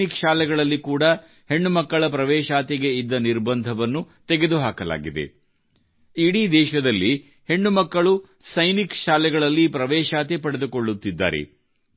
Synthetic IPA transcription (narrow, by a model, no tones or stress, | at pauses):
ikʃaːlɛɡɐɭɐlːikuːɽɐ | he̞ɳːumɐkːɐɭɐpɾɐʋɛːʃaːt̪ɛɡe̞id̪ːɐniɾbɐnd̪ʱɐʋɐnːu | t̪eɡe̞d̪uɦaːkɐla̰ːɡid̪ḛ | iɽid̪ɛːʃɐd̪ɐlːi | he̞ɳːumɐkːɐɭu | sɐjnikʃaːlɛɡɐɭɐlːipɾɐʋɛːʃaːt̪epɐɽe̞d̪uko̞ɭːut̪ːid̪ːa̰ːɾḛ